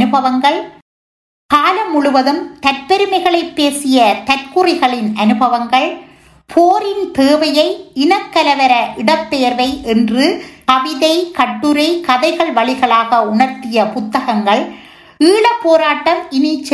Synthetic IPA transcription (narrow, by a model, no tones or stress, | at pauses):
nɯbɐʋɐŋɡɐɭ | kaːlɐmːʊɭʊʋɐðɯmt̪ɐɾpɛɾɯmɐɪɣɐɭɐɪpːeːsɪjɐt̪ɐɾkɯrɪɣɐɭɪnʔɐnɯbɐʋɐŋɡɐɭ | pʰoːɾɪnt̪eːʋɐjɐɪɪnɐkːɐlɐʋɐɾɐʔɪɽɐpːeːɾʋɐɪʔɛndrɯkɐʋɪðɐɪkɐʈːɯɾɐɪkɐðɐɪɣɐɭʋɐɭɪɣɐɭaːɣɐʊɳɐɾt̪ɪjɐpʊt̪ːɐɣɐŋɡɐɭ | iːɭɐpːoːɾaːʈːɐmɪnɪt͡ʃː